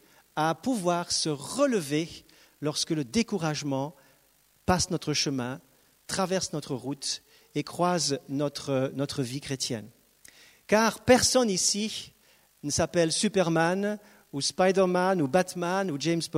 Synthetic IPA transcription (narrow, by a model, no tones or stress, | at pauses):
apuvwaʁsəʁələve | lɔʁskələd̪ekuʁaʒmɑ̃ | pasnɔt̪χəʃəmɛ̃ | t̪χavɛʁsnɔt̪χəʁut̪ | ekχwaznɔt̪χənɔt̪χəvikχet̪jɛ̰n | kaʁpɛʁsɔnisi | nəsapɛlsypɛʁman | uspajd̪ɛʁmanubat̪manud͡ʒemsb